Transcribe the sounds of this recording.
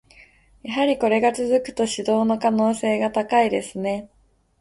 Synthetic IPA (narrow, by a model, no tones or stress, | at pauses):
jaɦaɾʲiko̞ɾe̞ɡat͡sɨzɨkɯ̟̥t̪o̞ɕid̪o̞ːno̞kano̞ːse̞ːɡat̪akaid̪e̞sɨne̞